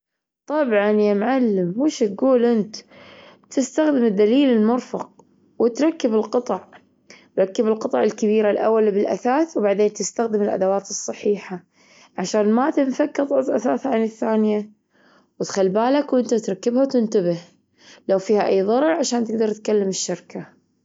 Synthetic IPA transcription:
t̪ˤɑbʕɑnjamʕalːɪmːuːʃt̪̚ɡuːlʔɪnt̪ | t̪ɪst̪axd̪ɪmɪd̪ːaliːlɪlmʊɾfɑq̚ | wɪt̪ɾˤɑkːɪbɪlqɨt̪ˤɑʕ | t̪ɾˤɑkːɪbɪlqɨt̪ˤɑʕɪlkabiːɾalʔa̰wːalbɪlʔa̰θaːθwbaʕd̪eːnt̪ɪst̪axd̪ɪmɪlʔa̰d̪awaːt̪ɨsˤːɑħiːħa | ʕaʃaːnmat̪ɪnfakːɨðˤʔazʔaθaːθʕanɪθːaːnɪja | wɪt̪xalːbaːlakwʔɪnt̪at̪ɾˤɑkːɪbhawt̪ɪnt̪abɪh | lawfiːhaʔajːðˤɑɾˤɾʕaʃaːnt̪ɪɡ̚d̪ɑɾˤt̪kalːamɪʃːɪɾka

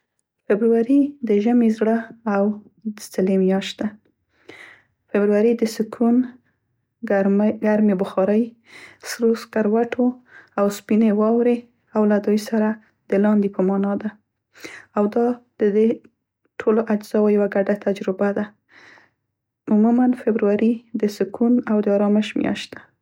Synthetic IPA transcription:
fɪbɾuwaɾid̪əʒəmezɽəaw | d̪ət͡səlemjɑʃt̪d̪a | fɪbɾuwaɾid̪əsəkʰun | ɡaɾmebʊxɑɾəj | sɾoskaɾwaʈʰoawspinewɑwɾe | awlad̪ujsaɾa | d̪̥əlɑnd̪epəmɑnɑd̪a | awd̪ɑd̪̥əd̪e | ʈʰoloʔad͡ʒz̥ɑwajawaɡaɖat̪ad͡ʒɾɪbad̪a | mʊmumanfebɾuwaɾid̪əsɪkʰunawd̪əɑɾɑmɪʃmjɑ̰ʃt̪̚d̪ḁ

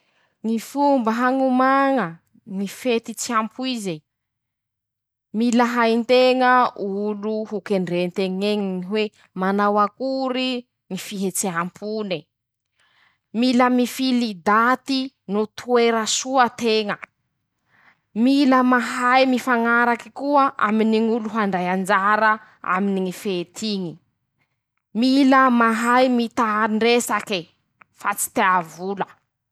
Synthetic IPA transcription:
ŋifumbəɦaŋumaŋə | ŋifet̪it͡siampʰuizi | milaɦajnt̪eŋəuluhukeɳɖ͡ʐent̪eŋeŋiniɦwe | manawakuɾi | ŋifiɦet͡seampʰuni | miləmifilid̪at̪i | nut̪ʰueɾəsuət̪eŋə | miləmaɦajmifaŋaɾaki̥kuəʔa̰miniŋuluɦaɳɖ͡ʐajand͡ʒaɾə | a̰miniŋifet̪ʰiɲi | miləmaɦajmit̪aaɾiɳɖ͡ʐesaki | fat͡si̥t̪eavulə

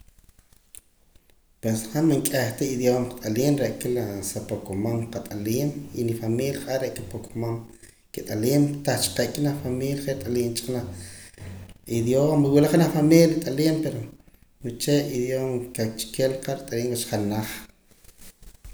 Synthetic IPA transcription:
pwesχaʔmaŋkʼaχt̪aid̪joːmqt̪ʼaliːnɾeʔkilasapokomamqat̪ʼaliːninifamiːljaχʔaʔɾeʔkapokʰomam | kit̪ʼaliːmt̪aχt͡ʃi̥qeʔkinaχfamiːljaχet̪ʼaliːnt͡ʃḁknaχ | id̪joːmiwilaχnaχfamiːljat̪ʼaliːmpeɾo | wit͡ʃeiðjomkat͡ʃkelqaɾit̪ʼaliːŋwat͡ʃχalnːaχ

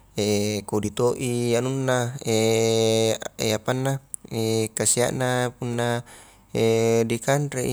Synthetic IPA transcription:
ekodit̪oʔianunːae | eapanːaekasia̰ʔnapunːa | edikanɾei

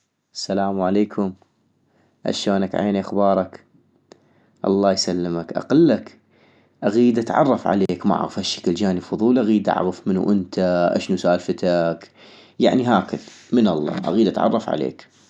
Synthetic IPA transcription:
ʔasalaːmwʕaleːkʰʊm | ʔa̰ʃoːnakʕaḛːniʔaxbɑːɾˤɑk | ʔɑ̰lˤːɑːjsalːɪmakʔɑ̰qɑlːak | ʔaɣiːd̪ʔat̪ʕɑ̰rˤːɑfʕa̰leːkma̰ʕɣəfhaʃːḁkəld͡ʒaːnifʊðˤuːlʔaɣiːd̪ʔa̰ʕɣəfmɪnṵʔɪnt̪ʰaʔa̰ʃnusaʔaːlfɪt̪ak | jaʕniɦaːkɪðmɪnɑlˤːɑ̰ːʔa̰ɣiːd̪ʔa̰t̪ʕɑ̰rˤːɑfʕa̰lḛːk

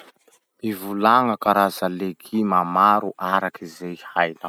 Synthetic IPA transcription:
ivulaŋəkaɾazaleɡʰimamaɾuʔaɾakizejhajla

